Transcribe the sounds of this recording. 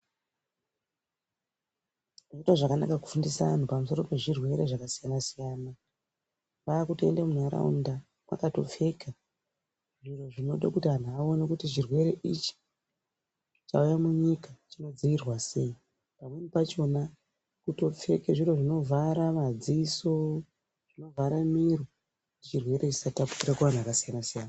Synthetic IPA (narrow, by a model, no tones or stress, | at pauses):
ʐaitwaʐakana̰kaku̥fundisaan̤upamuso̞ɾo̞pe̞ʐirwe̞ɾe̞ʐakasijanasijaːna | ʋaːkutoḛndamunaɾa̰ṵnda | kwa̰kato̞̰p͡fe̞ka | ʐiro̞ʐino̞ɗakutan̤awo̞nekutit͡ʃirwe̞ɾe̞ʔit͡ʃi̥ | t͡ʃa̰ujamuɲikat͡ʃino̞d͡ziirwase̞i | pamwe̞nipat͡ʃo̞na | kuto̞p͡fe̞keʐiro̞ʐino̞vʱaɾamad͡ziso̞ | ʐ̥ino̞vaɾamiro | kuit͡ʃirwe̞ɾe̞t͡ʃi̥satapurakuan̤akasijanasijana